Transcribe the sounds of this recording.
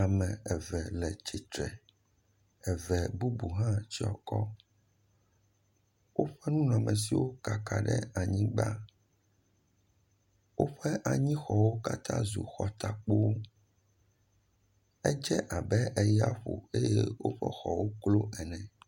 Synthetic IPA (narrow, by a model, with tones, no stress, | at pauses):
a˨mɛ̃˨ɛ˨vɛ˨lɛ˨t͡ɕi˨t̪ɾɛ˨ | ɛ˨vɛ˨bu˦bu˨ɦã˦t͡ɕi˦ɔ̰˨kɔ˦ | wo˦ɸɛ˦nũ˦nã˨mɛ̃˨s̬i˦wo˦ka˨ka˨ɖɛ̰˦a˨ɲĩ˦ɡ͡ba˦ | wo˦ɸɛ˦ʔa˨ɲĩ˦xɔ˨wo˦ka˦t̪ʰã̰˦zṵ˨xɔ˨t̪a˨k͡po˦wo˦ | ɛ˦d͡ʒɛ˦ʔa˨bɛ˦ʔɛ˦ja˦ɸo̰˨e˦jɛ˦wo˦ɸɛ̰˦xɔ˨wo˦klo˦ʔɛ˨nɛ̃˨